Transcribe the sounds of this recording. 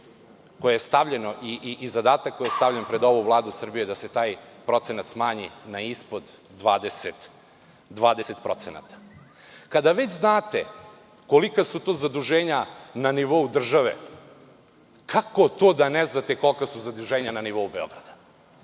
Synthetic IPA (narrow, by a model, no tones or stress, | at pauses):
kojejest̪aʋʎeno̞ʔiʔiʔizad̪aːt̪akkːojijest̪aʋʎenpɾed̪o̞ʋuvlˠaːd̪usr̩bijud̪ase̞t̪aːjpɾo̞t̪senat̪smaːɲinaispod̪ː | ʋaːd̪eset̪ | d̪ʋaːd̪eset̪pɾo̞t̪sena̰t̪ḁ | kad̪aʋet͡ɕznaːt̪ḛ | kolikasut̪oːzad̪uʒeːɲananiʋo̞ud̪r̩ʒaʋḛ | kʰako̞t̪oːd̪aneznat̪e̞ko̞lkasuzad̪uʒeːɲananiʋo̞ubeo̞̰ɡɾad̪ḁ